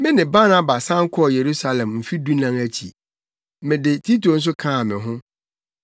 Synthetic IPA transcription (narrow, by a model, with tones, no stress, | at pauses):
mɪ̃˦nɪ̃˨ba˦na˦ba˨sã˦ŋ̩˦kʰɔ˦ɔ˨je˨ɾu˦sa˦lɛ̃˨mm̩˨fi˦du˦nã˦ŋæ˦t͡ɕʰḭ˨ | mɪ̃˨dɪ˨tʰi˦tʰo˨n̩˦s̬ʊ˦kʰãː˦˨mɪ̃˨ɦʊ̃˦